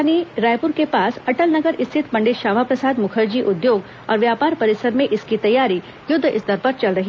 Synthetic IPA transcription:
aniɾaːjpʊɾkepaːsɐʈəlnɐɡəɾɪst̪ʰɪt̪pɐ̃ɳɖɪt̪ʃaːmapɾɐsaːd̪mʊkʰəɾd͡ʒiʔʊd̪joːɡ | ɔ̰ːɾʋjaːpaːɾpɐɾɪsəɾmẽʔɪskit̪ɐjːaːɾi | jʊd̪ʱːʔɪsd̪ʱɐɾpəɾt͡ʃɐlɾɐɦi

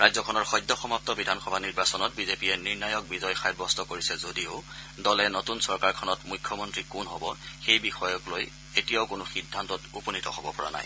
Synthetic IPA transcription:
ɹajzɔkʰɔnɔɹxɔjdːɔxɔmap̚tɔbidʱanxɔbʱaniɹbasɔnɔt̚bizepiɛniɹnajɔk̚bizɔjxajbɔstɔkoɹisɛzodiʊ | dɔlɛnotunsɔɹkaɹkʰɔnɔtmujkʰːjɔmɔntɹikunɦɔbɔxejbixɔjɔkloj | etijaʊkʊnʊxidʱːantɔtupɔnitɔ̰hɔbɔpɔɹa̰na̰j

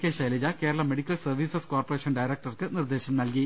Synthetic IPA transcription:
keːɕɐjlɐd͡ʑɐkeːɾɐɭɐmeɽikʲːɐlsɐrʋiːsɐskoːrporeːʃɐnɖɐjɾek̚ʈɐrkɨnird̪e̞ːɕɐmnɐlki

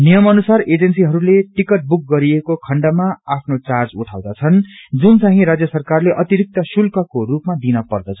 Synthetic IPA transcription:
nijʌmʌnusared͡zʌnsiɦʌɾuleʈikʌʈ̚buk̚ɡʌɾiekokʰʌɳɖamaapʰnot͡sard͡zuʈʰawd̪at͡sʰʌnd͡zunt͡saɦĩɾad͡zjʌsʌrkarleʔʌt̪iɾik̚t̪ʌsulkʌkorupmad̪inʌpʌrd̪ʌt͡sʰʌ

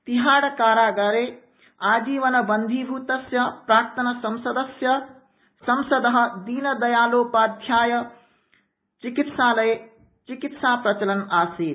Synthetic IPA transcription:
t̪iɦaːɽɐkaːɾaːɡɐɾeː | aːd͡ʒiːʋɐnɐbɐnd̪ʱiːbʱuːt̪ɐsjɐpɾaːkt̪ɐnɐsɐmsɐd̪ɐsjɐ | sɐmsɐd̪ɐɦɐ̆d̪iːnɐd̪ɐjaːloːpaːd̪ʱjaːjɐ | t͡ʃikit̪saːlɐj | t͡ʃikit̪saːpɾɐt͡ʃɐlɐnaːsiːt̪

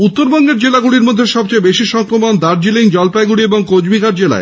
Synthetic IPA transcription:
ut̪ːoɾbɔŋɡeɾd͡ʑelaɡuɽiɾmod̪ʱːeʃɔbt͡ɕaebeʃiʃɔŋkɾomond̪aɾd͡ʑiliŋd͡ʑɔlpajɡuɽieboŋkod͡ʑbiɡaɾd͡ʑela̰e

